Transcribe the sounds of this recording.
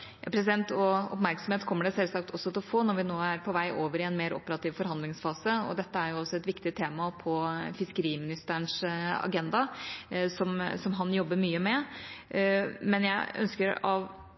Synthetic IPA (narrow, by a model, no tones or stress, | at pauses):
jɑ̰pʰɾɛsɪd̪ɛnt̪ɔɔ̰pmæɾksɔmheːt̪kʰɔmːəɖɛsɛlsɑkt̪ʰɔsːɔt̪ɪlɔfoːnɔɾʋɪnoːæɾpʰɔʋæɪʔoːʋəɾɪɛnmeːɾɔ̰pːəɾɑt̪ʰiːʋfɔɾhɑnd̪lɪŋsfɑːsəɔ̰d̪ɛt̪ːəæɾjʊɔsːɔɛt̪ʋɪkt̪ɪt̪ʰeːmɑpʰɔfɪskəɾiːmɪnɪst̪əəɳʂɑ̰ɡɛnd̪ɑsɔmsɔmɦɑnjɔbːəɾmyːəmɛ | mɛnjæɪœ̰nskəɾɑʋ